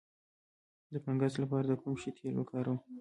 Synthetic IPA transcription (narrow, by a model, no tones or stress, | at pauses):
d̪əpaŋɡazlapɑɾad̪əkumʃit̪ʰelwə̰kʰɑɾəw